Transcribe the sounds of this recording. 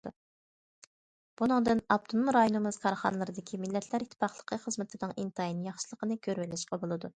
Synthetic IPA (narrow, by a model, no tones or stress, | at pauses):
b̥unɨŋd̪ɨnɑp̚t̪ʰonumɾɑjonɨmɨzkʰɑɾχɑ̰nɨlˠɨɾɨd̪ɪkʲʰimɪlːɛt̪ʰlæɾit̪ʰːpɑχlˠə̥qʰəχəzmɪt̪ʰɪnɨŋʔint̪ʰɑjinjɑχʃɨlˠəqʰənɨkʲʰøɾwɪlɪʃqɑbolˠɨd̪u